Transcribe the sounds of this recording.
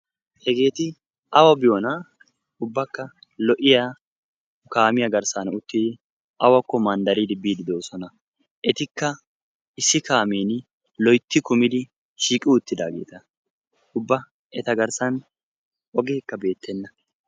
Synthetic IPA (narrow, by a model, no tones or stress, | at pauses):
hɛɡe̞ːt̪ɪ | ʔɐwɐbɪjoːnɐ | ʊbːɐkːɐ | lɔʔɪja | kaːmɪjɐɡɐɾsanʊt̪ːɪd̪ɪ | ʔɐwɐkːɔmɐnd̪ɐɾid̪ɪbːiːd̪ɪd̪oːsɔnɐ | ʔɛt̪ɪkːɐ | ɪsːɪkaːmeːn | lɔjt̪ːɪkʊmɪd̪ɪ | ʃiːkʼːɪʊt̪ːɪd̪aːɡe̞̰ːt̪ɐ | ʊbːɐ | ɛt̪ɐɡɐɾsɐn | ʔɔɡeːkːɐbe̞ːt̪ʰːɛnːɐ